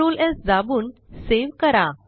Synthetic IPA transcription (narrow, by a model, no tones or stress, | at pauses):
uːlesd͡zabuːnseʋkəɾa